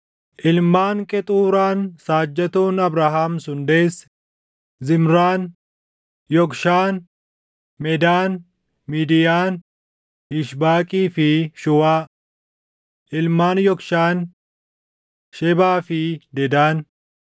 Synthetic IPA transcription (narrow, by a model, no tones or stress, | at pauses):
ʔɪlmaːŋkʼɛt̪ʼuːɾaːnsaːd͡ʒːɐt̪uːnɐbɾaːɦaːmsʊnd̪eːsː | zɪmɾaːn | jɔkʃaːn | mɛd̪aːn | miːd̪ɪjaːn | hɪʃbaːkʼiːfɪʃʊwaː | ʔɪlmaːnjɔkʃaːn | ʃɛbaːfɪd̪ɛd̪aːn